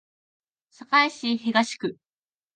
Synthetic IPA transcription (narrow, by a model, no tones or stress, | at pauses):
sakaiɕiçiɡaɕi̥kɯ̟